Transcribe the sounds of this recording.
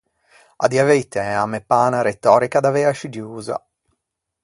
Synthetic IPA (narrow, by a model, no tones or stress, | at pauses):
a̰d̪iavejt̪eamepːaːnaɾet̪ːɔːɾikad̪avɛaʃid͡ʒuːza̰